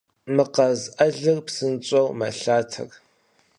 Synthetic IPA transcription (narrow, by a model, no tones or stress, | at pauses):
mɨqɐzʔɐɮɨrpsɨnt͡ʃʼɐwmɐɬaːtʰɐ̰r